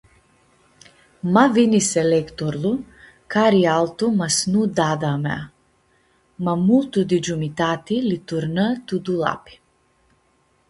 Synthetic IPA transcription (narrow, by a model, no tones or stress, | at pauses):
mavinisɛlɛkt̪ɔɾlˠu | kaɾialˠt̪umasnud̪ad̪amɛ̰a | mamult̪ud̪id͡ʒumit̪at̪ilit̪uɾnət̪ud̪ulˠa̰pi̥